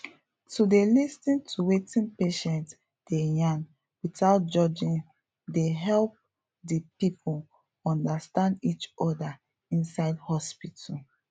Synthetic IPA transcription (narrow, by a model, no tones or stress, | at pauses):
tudelistĩntʰuwetĩnpeʃɛ̃nt | d̥ejãn | witaʊt̚d͡ʒɔd͡ʒĩn | deɦɛlp̚ | dipipʰul | ɔ̃ndastãndit͡ʃɔda | ĩnsaɪdhɔspitʰul